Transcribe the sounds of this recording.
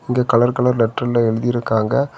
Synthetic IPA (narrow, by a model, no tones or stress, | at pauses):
ɪŋɡeːkɐɭɐɾkɐɭɐɾlɛʈrɐlɐɛɻɯðɪjɪɾɯkːaːŋɡɐ